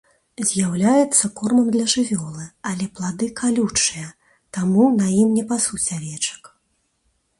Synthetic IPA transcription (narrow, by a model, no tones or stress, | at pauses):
zʲjawlʲajɛt̪sːɐkɔrmɐmd̪lʲɐʐɨvʲɔlˠɨɐlʲɛplˠad̪ɨkʰalʲut͡ʂɨjɐ | t̪amunajimnʲɛpasut͡sʲavʲɛt͡ʂɐ̥k